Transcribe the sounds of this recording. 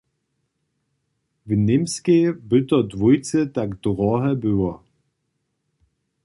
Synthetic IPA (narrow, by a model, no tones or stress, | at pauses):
vinɪmskebʏtɐdvujt͡sətakd̥ʁɔɦɛbʏwɐ